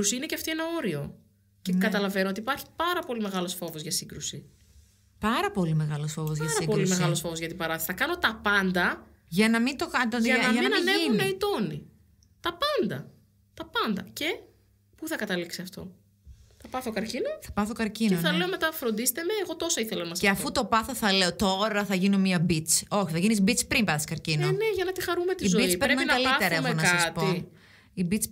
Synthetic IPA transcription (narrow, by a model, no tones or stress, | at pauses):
usiine̞ceɐft̪ie̞nɐo̞ɾio̞ | ce̞kɐt̪ɐlɐvenoo̞t̪ipɐɾçi̥pɐɾɐpo̞lime̞ɣɐlo̞sfo̞vo̞zʝɐsiɡɾusi | pɐɾɐpo̞lime̞ɣɐlo̞sfo̞vozʝɐsɾɐipolime̞ɣɐlo̞sfo̞voʝɐt̪ibɐɾɐθsθɐkɐno̞t̪ɐpɐnd̪ɐ | ʝɐnɐmint̪okɐnd̪oðɐnɐnɐnexunɐit̪o̞ni | t̪ɐpɐnd̪ɐ | t̪ɐpɐnd̪ɐce̞ | puθɐkɐt̪ɐliksiɐft̪o̞̰ | θɐpɐθokɐɾcinɐθɐpɐθo̞kɐɾcineoθɐle̞omet̪ɐfɾo̞nd̪ist̪eme̞ːɣo̞t̪o̞sɐiθelɐnɐmɐseɐfut̪o̞pɐθo̞θɐle̞ot̪o̞ɾɐθɐʝino̞miɐbit͡so̞çiθɐʝinisbit͡spɾimpɐsi̥skɐɾcinoneʝɐnɐt̪ixɐɾumet̪iizobiit͡speɾnɐkɐlieɾɐeɣonɐsɐstpo | ibit͡s